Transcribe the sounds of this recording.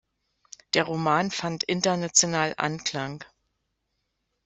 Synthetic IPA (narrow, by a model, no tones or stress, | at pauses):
d̥eːɐʁ̞omaːnfantʔɪntɐnat͡sjonaːlʔa̰nkl̥aŋ